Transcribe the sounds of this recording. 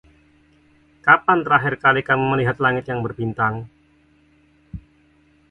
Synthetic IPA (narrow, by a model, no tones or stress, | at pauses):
kapant̪əɾaɦɪrkalikamiməliɦat̪̚laŋɪt̪jaŋbərbint̪aŋ